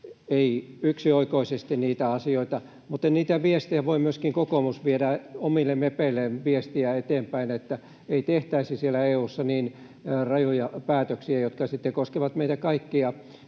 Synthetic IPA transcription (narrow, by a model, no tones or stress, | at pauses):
eiyksioikoisest̪iniːt̪æɑsioit̪ɑ | mut̪ːˑenniːt̪æʋiest̪ijæʋoimyøskiŋkokomusʋiedæomilːemepeilːenʋiest̪iæet̪eːmpæinet̪ːæ | eit̪eht̪æisisielˑæeːuːsːɑniːn | rɑjojɑpæːt̪øksiæjot̪kɑsit̪ːekoskeʋɑt̪meit̪ækɑikːiɑ